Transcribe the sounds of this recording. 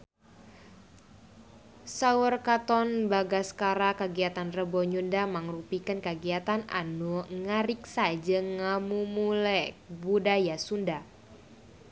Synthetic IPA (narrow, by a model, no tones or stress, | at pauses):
saurkat̪ɔnbaɡaskaɾakaɡiat̪anrəbɔɲundamaŋrupikənkaɡiat̪ana̰nuŋaɾik̚sad͡ʒəŋamumulɛbudajasunda